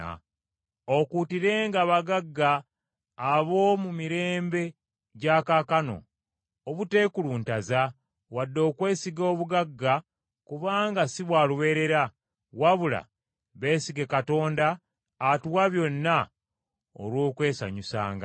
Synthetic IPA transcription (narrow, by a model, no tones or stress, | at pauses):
okutiɾe̞ːŋɡaβaɡaɡːaː | βo̞mumiɾe̞ːmbe̞ | ɟakakano̞̰ | oβute̞ːkuluːntaza | wadːo̞ːkwe̞ːsiɡo̞ːβuɡaɡːa | kuβaːŋɡasiβwaːluβe̞ːɾe̞ɾa | waβula̰ | βe̞ːsiɡe̞kato̞ːndaː | tuwaβjo̞nːa | o̰lwoːkwe̞ːsa̰ɲusa̰ːŋɡa̰